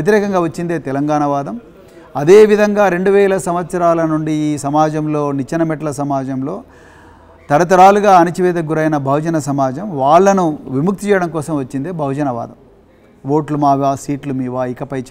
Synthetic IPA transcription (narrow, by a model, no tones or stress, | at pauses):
et̪iɾɛːkɐŋɡaːʋɐt͡ʃːind̪e̞ːt̪ɛlɐŋɡaːɳɐʋaːd̪ɐm | ɐd̪e̞ːʋid̪ʱɐŋɡaːɾe̞ɳɖuʋɛːlɐsɐmʋɐt̪sɐɾaːlɐnuɳɖiːsɐmaːd͡ʒɐmlo̞ːnit͡ʃɐnɐmɛʈɐlɐsɐmaːd͡ʒɐmlo̞ː | t̪ɐɾɐt̪̬ɐɾaːluɡaːɐnit͡ʃiʋɛːd̪ɐɡuɾɐjnɐbʱɐwud͡ʒɐnɐsɐmaːd͡ʒɐmʋaːɭːɐnuʋimuk̚t̪it͡ʃɛːjɐɽɐmkɔːsɐmʋɐt͡ʃːind̪e̞ːbʱɐwd͡ʒɐnɐʋa̰ːd̪ɐm | ʋoːʈlumaːʋaːsiːʈlumiːʋaːikɐpɐj